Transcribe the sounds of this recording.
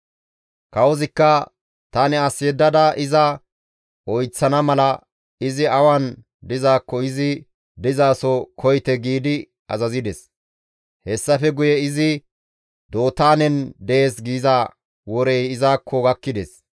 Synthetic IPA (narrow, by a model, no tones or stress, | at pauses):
kɐwɔzɪkːɐ | t̪ɐnɛɐsːed̪ːɐd̪ɐʔɪzɐ | ɔjt͡sːɐnɐmɐlɐ | ɪzɪɐwɐn | d̪ɪzaːkːɔɪzɪ | d̪ɪzaːsɔkʰɔjt̪ɛɡiːd̪ɪ | ɐ̰zɐzɪd̪ɛs | hɛsːɐfɛɡʊjɛɪzɪ | d̪o̞ːt̪aːnɛnd̪ɛeːsɡiːzaː | wɔɾejɪzaːkʰːɔɡɐkːɪd̪ɛs